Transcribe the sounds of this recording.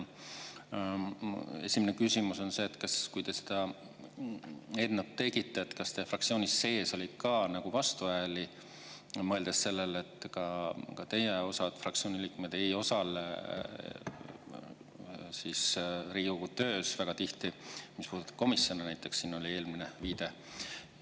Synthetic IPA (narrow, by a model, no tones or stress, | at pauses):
e̞̰sʲimenekysʲimuso̞nse̞ːt̪ːkɑskujt̪e̞se̥d̪̥ɑ | e̞nnɑt̪ːe̞ɡit̪ːeːt̪kɑst̪efrɑk̪̚sioːnisːe̞ːso̞lʲi̥kɑnɑɡ̥uvɑst̪uvæeli | mɤeld̪̥esse̞lːele̞t̪ːˑkɑkɑt̪e̞jeo̞sɑd̪̥frɑk̚t̪sio̞ːnʲiliːkmed̪̥ejo̞sɑl | sisriːɡuut̪ø̞ːsvæɡ̥ɑt̪iht̪imispuːd̪ut̪ːɑ̥b̥ko̞misjo̞nenæjt̪ːˑe̞kssiːno̞lʲie̞ːlmine̞viːd̪̥e̞